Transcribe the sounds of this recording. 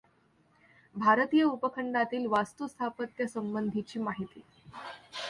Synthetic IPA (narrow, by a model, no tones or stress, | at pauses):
bʱaɾət̪iːjəupəkʰəɳɖat̪iːlʋast̪ust̪ʰapət̪jəsəmbənd̪ʱit͡ɕiːmaɦit̪iː